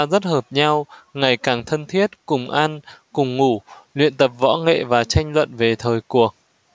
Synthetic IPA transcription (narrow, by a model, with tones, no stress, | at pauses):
zə˦˥t̚həː˨˩p̚ɲa˧wŋa˨˩jkaː˨˩ŋt̪ʰə˧nt̪ʰi˦˥ət̚kʊ˨˩ŋ͡mʔa˧nkʊ˨˩ŋ͡mŋu˧˩lwḭ˧˨ənt̪ə˨˩p̚vɔ̰˧˥ŋḛ˧˨vaː˨˩t͡ɕa˧jŋ̟lwə̰˧˨nve˨˩t̪ʰəː˨˩jku˨˩ək̚